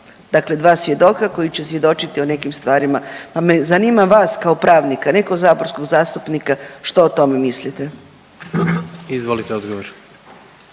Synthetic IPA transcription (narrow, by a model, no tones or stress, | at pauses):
d̪akle̞d̪ʋaːsʋje̞d̪o̞kako̞jit͡ɕe̞sʋje̞d̪o̞t͡ʃit̪ione̞kimst̪ʋaːɾimapame̞zanimaʋaːskaopɾaːʋnikane̞koɡzaːboɾsko̞ɡzaːst̪upnikaʃt̪oot̪o̞me̞mislit̪e | izʋolit̪eod̪ɡoʋoɾ